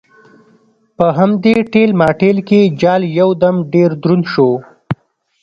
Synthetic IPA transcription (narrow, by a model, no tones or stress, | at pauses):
pəɦamd̪eʈelmɑːʈelked͡ʒɑːljawd̪amɖeɾd̪ɾunʃo